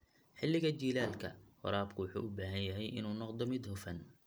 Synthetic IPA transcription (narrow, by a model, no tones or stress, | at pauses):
ħɪlːɪɣɐt͡ʃiːlaːlkʰɐ̰hʊ̰ɾaːb̚kʰʊwʊħṵːʔʊbaːɦɐnjɐɦɛjʔɪ̰nuːnɔqd̪ɔmɪd̪hʊfɐn